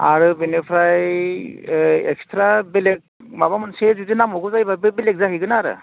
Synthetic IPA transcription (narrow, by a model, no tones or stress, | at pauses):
a̰ɾɯbinepʰɾaj | ɛ̰kstɾabelek̚ | mabamɯnsezudinamɔɡɔzajbabɯbilek̚zaɦiɡɯnaːɾɯ̰